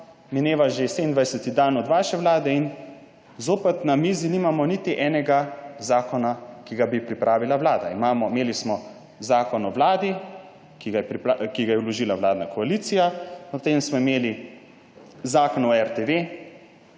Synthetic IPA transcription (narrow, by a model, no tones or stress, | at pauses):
mɛneːʋaʒesɛmind̪ʋajsɛt̪id̪aːnɔd̪ʋaːʃɛʋlaːd̪ɛin | zoːpɛt̪namiziniːmamɔnit̪iʔɛːnɛɡazaːkɔnakiɡabipɾipɾʔaːʋilaʋlaːd̪aimaːmɔmeːlismɔ | zaːkɔnɔwlaːd̪i | kiɡajɛpɾipakiɡajɛulɔʒiːlaʋlaːd̪nakɔaliːt̪sijaɔt̪eːmsmɔimeːli | zaːkɔnɔɛɾt̪eʋeː